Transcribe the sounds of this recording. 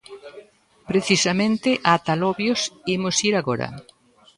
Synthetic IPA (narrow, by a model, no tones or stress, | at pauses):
pɾeθisamẽnt̪ɪʔat̪alɔβjosimʊsiɾaɣɔɾɐ̰